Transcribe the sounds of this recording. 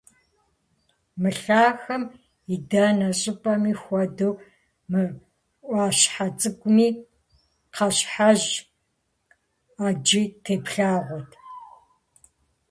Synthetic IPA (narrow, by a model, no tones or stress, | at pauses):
mɨɬaːxɐm | idaːnɐɕʼɪpʼɐmiːxʷɔdɨw | mɨ | ʔʷɑːɕħat͡sʼɨɡʷʼʊmiː | qʰɐɕħaʑ | aːd͡ʒitʰeːpʰɬaːʁʷɔtʰ